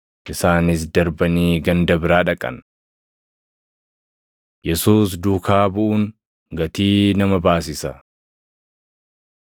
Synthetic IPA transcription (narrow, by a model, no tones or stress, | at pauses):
ʔɪsaːnɪs̬d̪ɐɾbɐniːɡɐnd̪ɐbɪɾaːᶑɐkʼɐ̰n | jɛsuːs̬d̪uːkaːbʊʔʊŋ | ɡɐt̪iːnɐmɐbaːs̬ɪsɐ